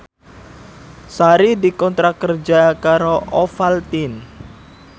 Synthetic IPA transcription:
saɾidikɔnt̪ɾakərd͡ʒakaɾoʔɔfalt̪in

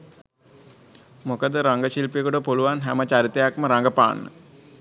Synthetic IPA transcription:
mokəd̪əɾaŋɡəɕilpejekuʈəpuluʋanɦɛmət͡ʃaɾit̪ejakməɾaŋɡəpa̰ːnːə̰

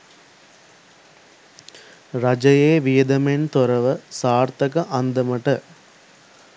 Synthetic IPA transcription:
ɾɐd͡ʒɐjeːʋɪjɐd̪ɐment̪ɔɾɐʋɐsaːɾt̪ɐkɐʔɐnd̪ɐmɐʈːɐ

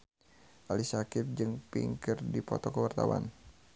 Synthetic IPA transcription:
ʔalisakɪp̚d͡ʒɨŋpḭŋkɪrdipɔ̰t̪ɔkəwart̪awa̰n

